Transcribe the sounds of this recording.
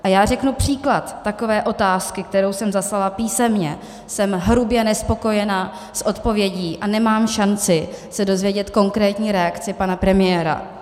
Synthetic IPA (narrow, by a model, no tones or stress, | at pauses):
ʔajaːr̝ɛknupr̝̥iːklat̪ːako̞vɛːʔo̞t̪aːskɪk̚t̪ɛɾo̞wsɛmzaslalapiːsɛmɲɛ | sɛmɦɾubjɛnɛspo̞ko̞jɛna | sʔo̞t̪po̞vjɛɟiːʔanɛmaːmʃant͡sɪsɛdo̞zvjɛɟɛt̪ko̞ŋkɾɛːt̪ɲiːɾɛakt͡sɪpanapɾɛmɪjɛːɾa̰